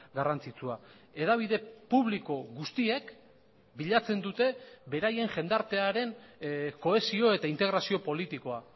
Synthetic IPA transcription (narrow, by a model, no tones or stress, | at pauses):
ɡarant͡sit͡sua | e̞ðaβ̞iðe̞puβliko̞ɣust̪ie̞k | biʎat͡se̞nd̪ut̪e̞be̞ɾaje̞ŋʝe̞nd̪aɾt̪e̞aɾe̞nko̞e̞sio̞e̞t̪aint̪eɣɾasio̞po̞lit̪iko̞a